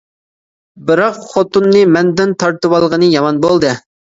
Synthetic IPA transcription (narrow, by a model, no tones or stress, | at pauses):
bɨɾɑqχot̪unːɨmɛnd̪ɪnt̪ʰɑɾt̪ɨwɑlˠʁənɨjɑmɑnbolˠd̪ɨ